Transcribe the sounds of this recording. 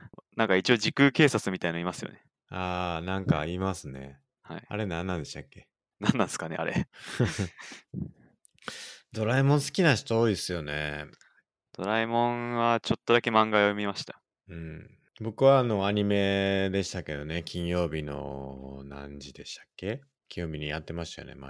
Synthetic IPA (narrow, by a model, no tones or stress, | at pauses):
nãŋkait͡ɕio̞d͡ʑikɯ̟ːke̞ːsat͡sɨmʲit̪ainoimasɨjo̞̰ne̞ | aːnãŋkaimasɨne̞̰ | ha̰ia̰ɾe̞nãnːãne̞ɕt̪akːe̞ | nãnːãsɨ̥kane̞̰ʔa̰ɾe̞̰ | d̪̥o̞ɾaimõ̞ɰ̃sɨ̥kʲinaɕt̪ooːisɨjo̞nḛ | d̪̥o̞ɾaimõ̞ɰβat͡ɕo̞t̪ːo̞d̪ake̞mãŋɡaomʲimaɕi̥t̪ḁ | ɯ̟̃ɴ | bo̞kɯ̟βaːno̞aɲ̟ime̞d̪e̞ɕi̥t̪ake̞d̪o̞ne̞kʲĩɰ̃jo̞ːbʲino̞̰nã̰ɲd͡ʑid̪e̞ɕi̥t̪ḁkːe̞ | kʲʰiomʲiɲ̟ijat̪ːe̞maɕit̪ajo̰ne̞̰ma̰